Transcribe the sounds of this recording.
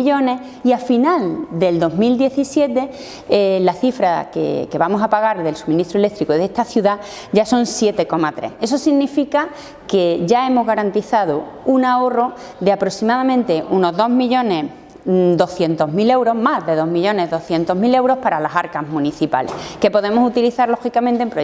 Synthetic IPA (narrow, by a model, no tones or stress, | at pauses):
ʎo̞ne̞h | iafinald̪e̞ld̪o̞zmild̪je̞θisje̞t̪e̞ | laθifɾakḛke̞βamo̞sapaɣ̞aɾðe̞lsumĩniht̪ɾuele̞k̚t̪ɾikoðest̪aθjuða | ʝaso̞nsje̞t̪e̞ko̞mat̪ɾe̞̰he̞so̞siɣnifika | ke̞ʝae̞mo̞zɣaɾant̪iθað̞ounao̞ro̞d̪eapɾosimaðamẽnt̪e̞ʔuno̞zðo̞ɦmiʎõ̞ne̞ | d̪o̞θje̞nt̪o̞ɦmile̞wɾo̞ɦmazðe̞ð̞o̞ɦmiʎo̞ne̞zðo̞hθje̞nt̪o̞ɦmile̞wɾo̞hpaɾalasaɾkazmũniθipa̰lḛhke̞po̞ðe̞mo̞sut̪iliθaɾlo̞xikamẽnt̪empɾo